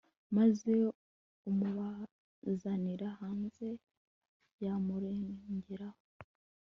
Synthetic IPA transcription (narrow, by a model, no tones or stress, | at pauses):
maze̞ | umuβa | zaniɾahaːnze̞ | jamuɾeːɲɟeɾaho